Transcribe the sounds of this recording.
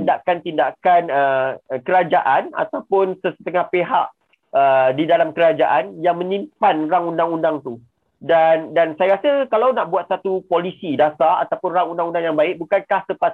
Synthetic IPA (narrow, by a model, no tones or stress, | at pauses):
ndaʔkant̪indakanəkəɾad͡ʒaʔana̰t̪awpʊnsəsə̥t̪əŋahpeɦa̰ʔ | ədidalamkəɾad͡ʒaʔanjaŋmə̃nĩmpanɾaŋundaŋundaŋt̪u | dandansajaɾasakalawnaʔbuat̪̚sat̪upolisidasaa̰t̪apʊnɾaŋundaŋundaŋjaŋbaɪʔ̚bukankahsəpa